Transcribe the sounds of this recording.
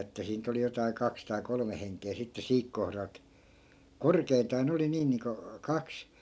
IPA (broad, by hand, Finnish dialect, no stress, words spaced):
etːæ siːn̆ nyt oli jotɑi̯ kɑks tɑi kolome heŋkˑeː sitːe siːk kohrɑlt korkeintɑː ne oli niː niːŋko kɑks